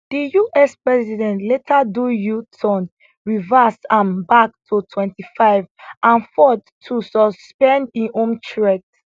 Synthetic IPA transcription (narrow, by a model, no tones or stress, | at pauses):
d̥ijuʔɛspɹɛzidɛ̃ntletʰadujutʰɔ̃n | ɹivɛsãmbak̚tʰutʰwɛ̃ntifaɪvʔãnfɔtʰːusɔspɛ̃ndĩʔõmt͡ʃɹɛt